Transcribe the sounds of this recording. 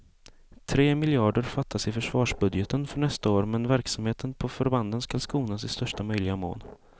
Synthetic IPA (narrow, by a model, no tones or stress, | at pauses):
t̪ʰɾeːmɪlɪɑːɖəɾfat̪ʰːasɪfœʂvɑːʂbɵd̪jɛt̪ʰənfœɳɛst̪aoːɾmɛnvæɾksamheːt̪ʰənpʰɔfœɾband̪ənskalskuːnasɪst̪œʂʈamœjlɪɡamo̰ːl